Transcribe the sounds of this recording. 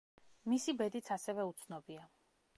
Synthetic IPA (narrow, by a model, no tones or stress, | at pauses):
misibɛd̪it̪sʰasɛvɛut̪sʰnɔbia